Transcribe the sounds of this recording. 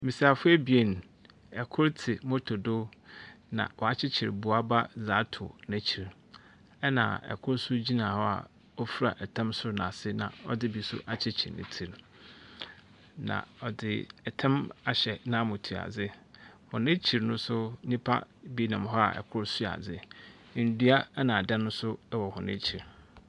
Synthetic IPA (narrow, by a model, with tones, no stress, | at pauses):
mĩ˨si˨a˨fʊ˦ɛ˦bi˨e˨n˨ | ɛ˨kʰʊ˦ɾtʰɪ˨mʊ̃˦tʰo˨do˦nã̰˨wɔ˨a˨t͡ɕʰɪ˦t͡ɕʰɪ˨ɾbu˨a˦ba˦za˨˦tʰʊ̰˨nɛ̃˦t͡ɕʰi˨ɾ | ɛ˦nã̰˨ɛ̰˨kʰʊ˦ɾsʊ˦d͡ʑi˦nã˨hɔ˦a̰˨ | ɔ˦fu˦ɾa̰˨ʔɛ˨tʰã˦msʊ˦ɾnã˨sɪ˦nã̰˨ɔ̰˦dɪ˦bi˨sʊ̰˦ʔa˨t͡ɕʰɪ˦t͡ɕʰɪ̰˨ɾnɪ̰̃˨tʰi˨ɾ | nã̰˨ɔ˨dɪ˨ɛ˨tʰɛ̃˦ma˨ɕɛ˨nã˦mʊ̃˨tʰu˨a̰˨d͡zɪ˦hʊ̃˨nɪ̃˦t͡ɕʰi˨ɾnʊ̃˦sʊ˦nĩ˦pʰa̰˦bi˦nã˨mɦɔ˦a̰˨ʔɛ̰˨kʰʊ˦ɾsu˦a̰˨d͡zɪ˦˨ | n̩˨du˦a˦nã˨dã˦nʊ̃˦sʊ˦wɔ˨hʊ̃˨nɪ̰̃˦t͡ɕʰi˨ɾ